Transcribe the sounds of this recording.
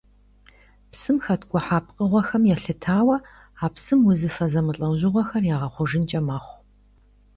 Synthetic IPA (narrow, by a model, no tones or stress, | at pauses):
psɨmxɐtʰɡʷʼʊħaːp̚qʼəʁʷɔxɐmjɛɬɨtʰaːwɐ | aːpsɨmwʊzɨfɐzɐmɨɬʼɐwʑɪʁʷɔxɐrjaːʁɐχʷʊʒɪnt͡ʃʼɐmaːχʷ